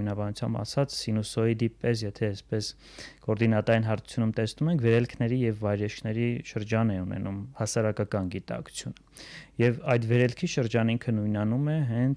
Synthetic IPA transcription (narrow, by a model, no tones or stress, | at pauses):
nɑbɑnut͡sʰjɑ̰mbɑ̰sɑt͡sʰsinusɔid̪ipɛs̬jɛt̪ʰɛːspɛs | kɔɾd̪inɑt̪ɑinɦɑɾt̪ʰu̥t͡sʰjunumt̪ɛsnumɛŋkʰvɛɾɛlkʰnɛɾijɛvːɑjɾɛʃkʰnɛɾiʃəɾd͡ʒɑnɛunɛ̰numhɑsɑɾɑkɑkɑnɡit̪ɑ̰kʰu̥t͡sʰjunəjɛvɑjd̪vɛɾɛlkʰiʃəɾd͡ʒɑniŋkʰənujnɑnumɛɦɛnt͡sʰ